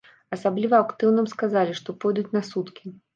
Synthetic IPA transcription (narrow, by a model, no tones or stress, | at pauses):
ɐsablʲivɐakt̪ɨwnɨmskazalʲiʂt̪ɔpɔjd̪ut͡sʲnasut̪kʲi